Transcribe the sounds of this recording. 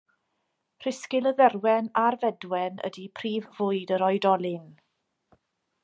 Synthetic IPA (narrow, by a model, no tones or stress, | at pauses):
r̥ɪskɪlˠəðɛrwɛnarvɛdwɛnə̰dipʰriːvːʊɨdəɾɔɨdɔlˠɪn